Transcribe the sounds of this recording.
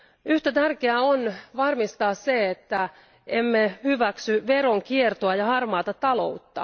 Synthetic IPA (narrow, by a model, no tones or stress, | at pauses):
yht̪æt̪ærkeæonʋɑrmist̪ɑːsseet̪ːæ | ʔemːehyʋæksyʋeɾoŋkiert̪oɑjɑhɑrmɑːt̪ɑt̪ɑlo̞ut̪ːɑ̰